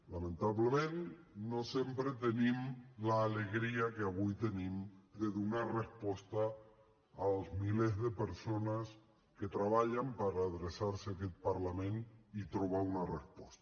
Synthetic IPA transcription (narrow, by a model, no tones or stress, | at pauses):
lamẽnt̪aβlemẽnnosjempɾet̪enĩmlaːleɣɾiakeaβujt̪e̞nĩmd̪eðunarespwost̪a | aozmilezðe̞peɾsonas | ket̪ɾaβaʎampaɾaːðɾesaɾseaket̪̚paɾlamẽ̞nit̪ɾoβaunarespwost̪a